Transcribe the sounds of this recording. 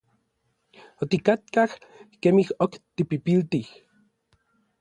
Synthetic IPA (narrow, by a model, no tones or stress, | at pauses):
ot̪ikat̪kahkemihokt̪ipipilt̪ih